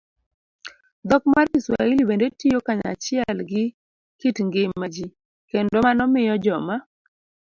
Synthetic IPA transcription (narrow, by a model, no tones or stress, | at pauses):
d̪ɔkmarkiswa̰ilibendetijokaɲa̰t͡ʃɪɛlɡɪ | kitŋɡɪmːad͡ʒi | kendomanɔmɪjɔd͡ʒɔma